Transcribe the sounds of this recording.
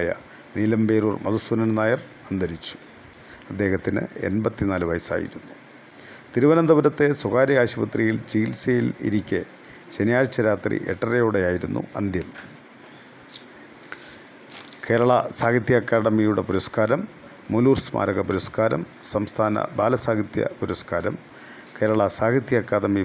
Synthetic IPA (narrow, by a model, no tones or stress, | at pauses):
jɐ̰ | niːlɐmbe̞ːɾuːrmɐðusɐnɐnnaːjɐr | ɐnd̪ɐɾit͡ɕːu̥ | ɐd̪ːe̞ːhɐt̪ːinɨ̰ḛnbɐt̪ːinaːlɨʋɐ̰jsa̰ːjḭɾunːu | t̪iɾuʋɐnɐmd̪ɐʋɐɾɐt̪ːe̞suɣaːɾɐɣaːɕibɐt̪rijilt͡ɕiːlsejilḭɾikʲːe | ɕenɐjaːɾt͡ɕːɐɾaːt̪rḭʔḛʈːɐrejoːɽejaːjiɾunːṵɐ̰nd̪jɐm | ke̞ːɾɐɭɐsaːɡit̪jɐkːaːɽɐmijuɽepuɾɐskaːɾɐmː | uluːrsmʔa̰ːɾɐɣɐpuɾɐskaːɾɐ̰msɐmst̪ʰaːnɐ̰baːlɐsaːɡit̪jɐ̰puɾɐskaːɾɐm | ke̞ːɾɐɭɐsaːɡit̪jɐkːaːɽɐmi